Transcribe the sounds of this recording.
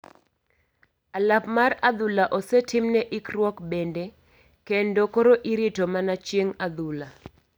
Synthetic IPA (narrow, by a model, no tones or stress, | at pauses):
alapmarad̪ʊlaʔɔsɛtʰɪmnɛʔɪkɾwɔkbɛnde | kendokoɾoʔiɾitomanat͡ʃjeŋad̪ula